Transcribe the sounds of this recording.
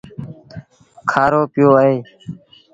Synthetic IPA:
kʰaːɾoːpɪjoːəeː

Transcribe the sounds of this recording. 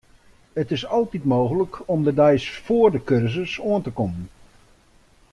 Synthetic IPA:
ətɪsɑlˠtitmoːɣələkʰɔmdədɛjsfoːərdəkørzəsuəntəkɔmən

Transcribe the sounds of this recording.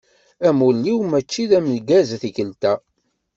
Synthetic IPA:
æmulːiwmæt͡ʃːiðæməlɡæzθikəlt̪æ

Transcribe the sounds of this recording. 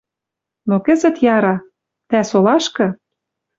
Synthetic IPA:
nokə̆zɘ̆t̪jɑɾɑ | t̪æsolɑʃkɤ̆

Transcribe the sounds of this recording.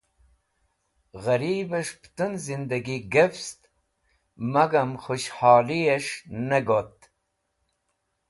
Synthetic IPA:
ɣɐɾiːbɐʂpt̪ɨnzind̪ɐɡiɡefst̪ | mɐɡɐmχuɕhɑːlieʂnɐɡot̪

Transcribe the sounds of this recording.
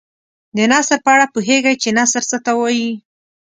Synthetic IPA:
d̪ənɑsəɾpəaɽapuɦeɡajt͡ʃenasəɾsət̪awɑji

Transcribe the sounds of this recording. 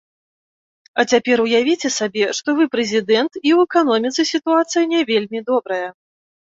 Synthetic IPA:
ɐt͡sʲapʲɛɾujavʲit͡sʲɛsabʲɛʂt̪ɔvɨpɾɛzʲid̪ɛnt̪iwɛkanɔmʲit̪sɨsʲit̪uat̪sɨjinʲɛvʲelʲmʲid̪ɔbɾɐjɐ

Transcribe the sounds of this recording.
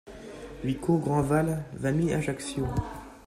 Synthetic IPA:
wikʰoɡʁɑ̃valvamiaʒaksjõ

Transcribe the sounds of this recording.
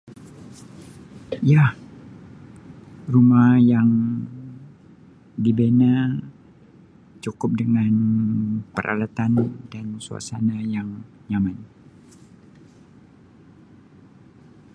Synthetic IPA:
jah | rumahjaŋ | dibena | t͡ʃukʊp̚dəŋan | pəɾʔa̰lat̪andansua̰sanajaŋ | ɲaman

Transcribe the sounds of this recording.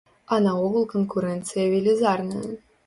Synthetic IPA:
ɐnɐɔɣɐlˠkənkuɾɛnt̪sɨjɐvʲilʲizarnɨ̰j

